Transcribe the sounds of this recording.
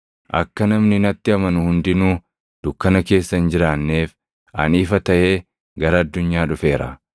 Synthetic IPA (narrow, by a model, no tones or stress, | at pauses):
ʔɐ̰kːɐnɐmnɪnɐt̪ːɪɐmɐnʊhʊnd̪ɪnuː | d̪̥ʊkːɐnɐke̞ːsːɐnd͡ʒɪɾaːnːeːf | ɐniːfɐt̪ɐʔeː | ɡɐɾɐɐd̪ːʊɲːaːᶑʊfe̞ːɾɐ̰